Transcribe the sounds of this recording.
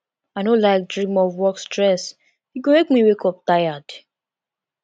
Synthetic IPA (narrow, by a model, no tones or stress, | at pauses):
aɪnõlaɪk̚dɹĩmɔvwɔkstɹɛs | ikomek̚miwekɔp̚tajad̥